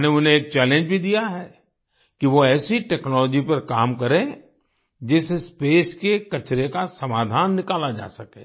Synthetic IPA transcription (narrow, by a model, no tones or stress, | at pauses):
neʊnɦẽeːk̚t͡ʃɛːlẽnd͡ʒbʱid̪ijaɦɛː | kiʋoɛːsiʈɛːknɔːlɔːd͡ʒipɐɾkaːmkɐɾẽ | d͡ʒɪːsespeːskekɐt͡ʃɾekasɐmaːd̪ʱaːnːɪkaːlad͡ʒa̰ːsɐkḛ̃ː